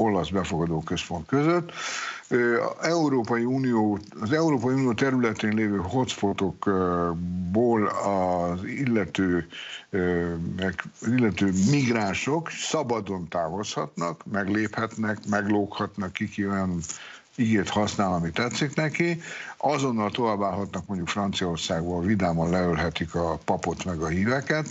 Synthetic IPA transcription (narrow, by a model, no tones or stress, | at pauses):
o̞lɒzbɛfo̞ɡɒd̪oːkø̞spo̞nt̪køzøt̪ː | ɛuɾoːpɒjiuːnijoː | ɒzɛuɾoːpɒjiunijoːt̪ɛɾylɛt̪eːnleːvøːɦo̞t̪sfo̞t̪o̞k | boːlɒzilːɛt̪øː | mɛkɒzilːɛt̪øːmiɡraːnʃoksɒbɒd̪o̞nt̪aːvo̞shɒt̪nɒkmɛɡleːphɛt̪nɛkmɛɡloːkhɒt̪nɒkːikiojɒn | iɡeːt̪hɒsnaːlɒmit̪ːɛt̪sːiknɛkiɒzo̞nːɒlt̪o̞vaːbːaːlɦɒt̪nɒk̚mo̞ɲɟukfrɒnt̪sijɒorsaːɡboːlvid̪aːmɒnlɛølɦɛt̪ikɒpɒpo̞t̪mɛɡɒhiːvɛkɛt̪